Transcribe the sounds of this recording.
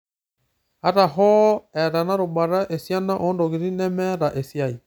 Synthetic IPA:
a˦ɾa˨ɦɔ˦ɛ˨ɾa˨na˦ɾo˨ba˨ɾa˦ʔe˨sja˦na˦ʔɔ˦ndɔ˨ɣi˨ɾi˦nɛ˦mɛ˦ɾa˨ʔe˨sja˦i˨

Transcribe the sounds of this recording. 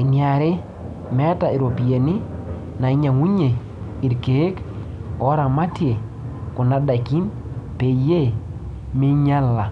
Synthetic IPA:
ɪ˨nja˨ɾe˦ | mɛ˦ta˨i˨ɾo˨pi˨e˨ni˦ | na˨ɪ˦ɲa˨ŋu˦ɲe˨ | i˨ɾkeː˨˦k | ɔ˦ɾa˨ma˦tje˨ | kʊ˨na˦da˨ki˦m | pe˨˦je˦˨ | mɪ˦ɲa˦la˨

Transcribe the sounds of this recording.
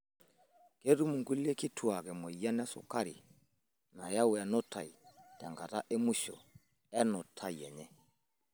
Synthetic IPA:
ke˦tu˦mu˨ŋɡu˦le˦ki˦tʰu˦˨a˨kɛ˨mo˨i˨ja˦nɛ˦sṵ˨ka˦ɾḭ˨ | na˨ja˦wɛ˨nɔ˦tʰa̰˨i˨ta˨ŋɡa˨ta̰˦ʔe˦mu˦ʃo̰˨ | ɛ˦nɔ˨tʰa˦i˨ɛ˨ɲɛ˦

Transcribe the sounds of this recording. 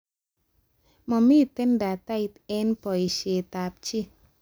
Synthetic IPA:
mɔ˨mi˦t̪e˦nda˨t̪a˦i˨t̪ɛ˦npɔ˨i˨ʃe˨t̪a˨p̚t͡ʃi˦

